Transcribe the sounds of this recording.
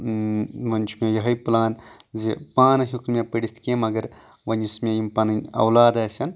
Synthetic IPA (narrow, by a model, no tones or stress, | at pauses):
ʋɐnʲt͡ʃʰumejɐɦɐjpulaːnzipaːnɐɦukmepɐɽist̪ʰkʲemɐɡɐɾ | ʋɐnismejimpɐnɐnʲɐ̰wlaːd̪ɐːsʲɐn